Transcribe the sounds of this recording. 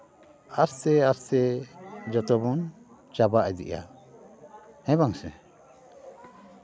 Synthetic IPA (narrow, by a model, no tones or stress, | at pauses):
ast̪ɛast̪ɛd͡ʒɔt̪ɔbɔn | t͡ʃabaʔɛd̪ḭʔa̰ | ɛ̃baŋsɛ̰̃